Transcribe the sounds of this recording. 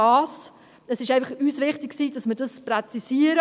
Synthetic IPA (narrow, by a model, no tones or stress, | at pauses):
ɑːs | əsɪʃæɪfɑχyːsvɪχtɪkksiːdɑsmədɑsprɛt͡sisiəɾə